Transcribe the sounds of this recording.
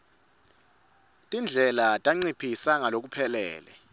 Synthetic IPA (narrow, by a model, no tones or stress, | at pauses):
tʼind͡ɮʱɛlatʼaŋ͡ǀipʰisaŋalok̬ʼupʰɛlɛ̰ːlɛ̰